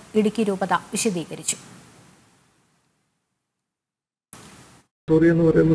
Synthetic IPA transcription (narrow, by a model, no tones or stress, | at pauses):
iɽukʲːiɾuːbɐðɐʋiʂjɐd̪iːkɐɾit͡ɕːu̥ | surijenːɨʋɐɾejnːɨ